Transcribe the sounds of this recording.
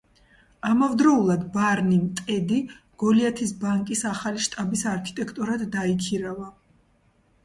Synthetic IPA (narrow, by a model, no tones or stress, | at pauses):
amavd̪ɾɔulˠad̪baɾnimt̪ʼɛd̪i | ɡ̥ɔliat̪ʰisbaŋkʼisaχaliʃt̪ʼabisaɾkʰi̥t̪ʼɛkʰt̪ʼuɾad̪d̪aikʰiɾava